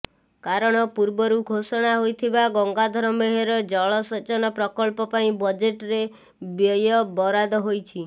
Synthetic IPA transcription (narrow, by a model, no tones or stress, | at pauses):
kaɾɔɽ̃ɔpuɾbɔɾuɡʱosɔɽ̃aɦojt̪ʰibaɡɔŋɡad̪ʱɔɾɔmeɦeɾɔd͡ʒɔɭɔsɔt͡ʃɔnɔpɾɔkɔɭpɔpaĩbɔd͡ʒeʈɾe | bjɔjɔbɔɾad̪ɔɦojt͡ʃʰi